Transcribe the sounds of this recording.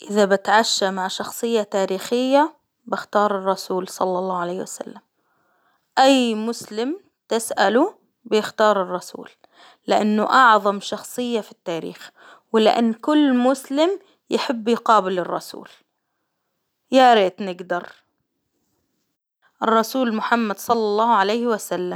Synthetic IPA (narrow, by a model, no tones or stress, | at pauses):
ʔɪðabɪt̪ʕaʃːamaʕʃɑxsˤɨjːat̪aːɾiːxɪjːa | bɪxt̪ɑːɾˤɨrˤːɑsuːlsˤɑ̰lːɑlˤːɑːʕaleːhwasa̰lːam | ʔajmʊslɪm | t̪ɪsʔalu | bɪjɪxt̪ɑːɾˤɨrˤːɑsṵːlː | ɪʔanːʊʔɑʕðˤɑmʃɑxsˤɨjːafit̪ːaːɾḭːx | wɪlɪ̰ʔa̰nːkʊlːmʊslɪm | jɪħɪbːjqɑːbɪlɪrˤːɑ̰sṵːl | jaɾeːt̪nɪɡd̪ɑɾˤ | ʔɪrˤːɑsuːlmʊħamːad̪sˤɑlːɑlˤːɑːhʕalajhwasalːam